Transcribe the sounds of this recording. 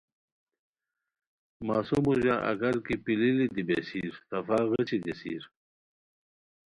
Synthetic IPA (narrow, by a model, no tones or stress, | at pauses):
maːsumuʑaʔɐ̰kaɾkipililid̪ibesiɾt̪ɐfaːɣət͡ɕiɡesḭɾ